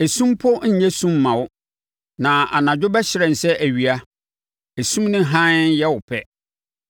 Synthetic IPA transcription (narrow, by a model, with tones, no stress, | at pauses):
e˨sũ˦mpʰʊ˦ɲ̩˦ɲɛ˦sũ˦mːã˨wʊ˦ | nã˨ʔa̰˨nã˨d͡ʑᶣʊ˦bɛ˦ɕɪ˦ɾɛ̃˨n̩˨sɛ˦ʔæ˨ɥi˨a˦ | e˨sũ˦mnɪ̃˦ɦã˦njɛ˦wʊ˨pʰɛ˦